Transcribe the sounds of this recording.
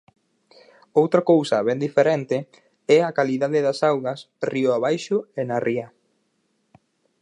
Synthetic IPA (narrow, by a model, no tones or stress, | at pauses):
owt̪ɾakowsɐβɛnd̪ifeɾɛnt̪ɪ | ɛakaliðaðɪðɐsawɣɐs | riʊaβajʃʊenariɐ